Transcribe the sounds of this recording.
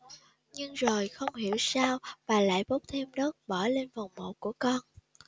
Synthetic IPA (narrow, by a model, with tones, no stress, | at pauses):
ɲɨ˧ŋzo˨˩jxə˧wŋ͡mɦi˧˩əwsaː˧wvaː˨˩la̰ː˧˨jɓo˦˥k͡p̚t̪ʰe˧mnəː˦˥k̚ɓəː˧˩le˧nva˨˩wŋ͡mmo̰˧˨ku˧˩əkɔ˧n